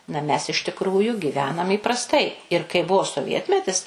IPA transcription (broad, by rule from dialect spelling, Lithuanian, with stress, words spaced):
nɐ mʲɛs ɪʃ tʲɪkˈruːjuː ɡʲiːˈʋʲæːnɐm iːprɐsˈtɐɪ ɪr kɐɪ ˈbʊʋoː soːˈʋʲiɛtʲmʲɛtʲɪs